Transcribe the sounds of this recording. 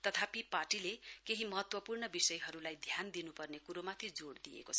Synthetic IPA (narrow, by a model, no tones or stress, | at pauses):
t̪ʌt̪ʰapiparʈilekeɦimʌɦʌt̪wʌpurɳʌbisʌjɦʌɾulajd̪ʱjand̪inupʌrnekuɾomat̪ʰid͡zoɽd̪ijḛkot͡sʰʌ̥